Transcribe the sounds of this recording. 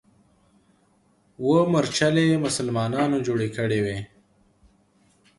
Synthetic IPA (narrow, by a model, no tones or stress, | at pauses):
woməɾt͡ʃalemʊsəlmɑːnɑːnod͡ʒoːɽekəɽewe